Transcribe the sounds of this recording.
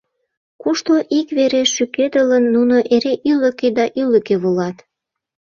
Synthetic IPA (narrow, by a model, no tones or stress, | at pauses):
kuʃt̪oʔikβeɾeʃyked̪ələnːunoʔeɾeʔyləked̪ɑʔyləkeβolɑt̪